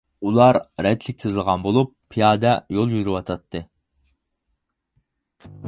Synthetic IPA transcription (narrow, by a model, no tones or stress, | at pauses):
ulˠɑɾɾɛd̪lɪk̚ʲt̪ʰɨzlˠəʁɑnbolˠupʰːijɑːd̪ɛjolˠjyɾywɑt̪ʰɑt̪ʰːɨ